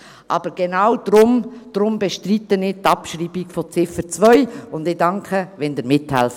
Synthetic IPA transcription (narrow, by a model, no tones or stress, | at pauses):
ʔɑːb̥əɾɡ̥enawd̥̪ɾʊmd̥ɾʊmbɛʃtritːənɪtɑpʃriːbiɡfɔt͡sɪfəɾt͡sʋœʏʊndɪdɑŋkʰəʋɛnd̪əɾmɪthɛlf